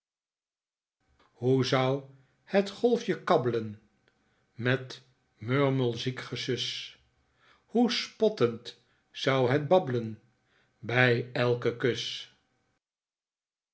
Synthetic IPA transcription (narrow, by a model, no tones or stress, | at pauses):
huzʌw | hətχɔlˠfjəkɑbələn | mɛt | møɹməlˠzikχəsʏs | huspɔtənt | z̥ʌwɦəd̚bɑbələn | bɛjɛlˠkəkøs